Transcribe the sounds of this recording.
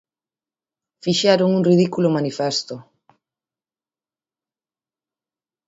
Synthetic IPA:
fiʃɛɾʊŋuŋrið̞ikulʊmanifɛst̪ʊ

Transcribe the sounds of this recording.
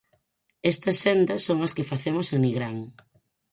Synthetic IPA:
ɛst̪ɐsːend̪ɐsːoŋɐskɪfaθemoseniɣɾaŋ

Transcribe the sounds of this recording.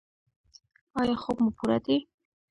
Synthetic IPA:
ɑjɑχobmʊpʰuɾa̰d̪i

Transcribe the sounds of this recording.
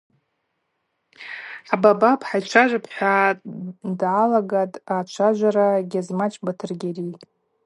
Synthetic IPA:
ababapʰʼħajt͡ʃʷʰaʒʷapʰħʷa | dʕalaɡatʼaːt͡ʃʷʰaʒʷaɾaɡʲazmat͡ʃʼbatʰɨrɡʲeri

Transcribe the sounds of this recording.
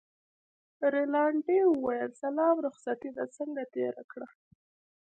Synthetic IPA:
ɾelɑɳɖewʊwajəlsalɑmɾʊxsat̪id̪at͡səŋɡat̪eɾa̰kɽa

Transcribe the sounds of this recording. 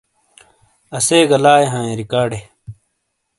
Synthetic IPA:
ɐseːɡɐlaːeɦãːẽːɾikaːɖe

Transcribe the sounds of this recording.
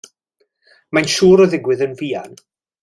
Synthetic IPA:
majnʃuːɾɔðɪɡwɪðənviːa̰n

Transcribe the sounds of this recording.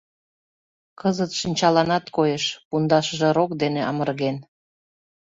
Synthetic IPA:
kəzət̪ʃinʲt͡ɕɑlɑnɑt̪kojeʃpund̪ɑʃəʒĕɾokd̪eneʔɑmərɣen

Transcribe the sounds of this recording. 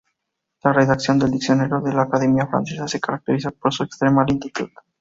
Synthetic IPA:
lareðaksjond̪eld̪iksioneɾoðelakaðemiafɾa̰nsezasekaɾak̚t̪eɾisat̪̚poɾsoekst̪ɾemalent̪it̪ut̪

